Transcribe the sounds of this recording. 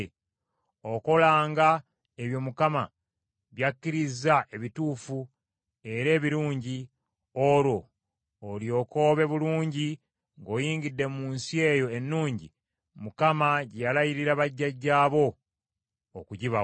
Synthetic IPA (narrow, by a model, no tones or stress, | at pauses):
oko̞laːŋɡa | e̞βjo̞mukama | βjakːiɾizaʔe̞βituːfu | e̞ɾe̞ːβiɾuːɲɟi | oɾo̞ː | ljo̞ːko̞ːβe̞βuluːɲɟi | ŋɡo̞ːjiːŋɡidːe̞muːnsie̞ːjo̞enːuːɲɟi | mukamaɟejalajiɾiɾaβaɟːaɟːaːβo̞ː | kuɟiβa